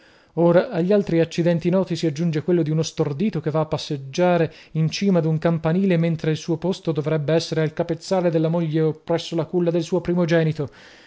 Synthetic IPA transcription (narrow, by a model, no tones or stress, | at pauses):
oːɾaːʎːalt̪ɾiat͡ʃːid̪ɛnt̪inɔːt̪isiad͡ʒːund͡ʒekwelːod̪iunost̪ord̪iːt̪okevːaːpːasːed͡ʒːaːɾeint͡ʃiːmad̪uŋkampaniːlement̪ɾeilsuːopost̪od̪ovɾɛbːeɛsːeɾealkapet̪sːaːled̪elːamoʎːeopːɾɛsːolakulːad̪elsuːopɾiːmod͡ʒɛːnit̪o